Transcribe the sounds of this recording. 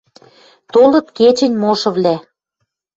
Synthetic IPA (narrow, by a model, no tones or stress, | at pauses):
t̪olɤ̆t̪ket͡ɕə̆nʲmoʃɤ̆βvlʲæ